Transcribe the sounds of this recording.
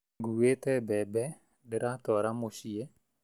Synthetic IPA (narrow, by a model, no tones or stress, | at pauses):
ɡuwet̪ɛbɛbɛ | dɪɾat̪ɔɾamoʃie